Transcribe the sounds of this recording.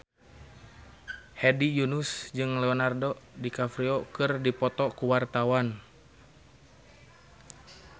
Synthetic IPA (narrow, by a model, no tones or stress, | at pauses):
hɛdijunusd͡ʒɨŋlɛɔnardodikafɾiɔkɨrdipɔt̪ɔkuwart̪awan